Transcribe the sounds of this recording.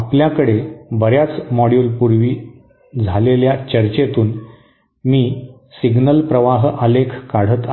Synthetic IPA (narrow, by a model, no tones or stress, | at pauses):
apljakəɽebəɾjat͡smɔɽijulpuɾʋiː | d͡zʱaleljat͡ɕəɾt͡ɕet̪uːn | miː | siɡnəlpɾəʋaɦəlekʰkaɽ̤ət̪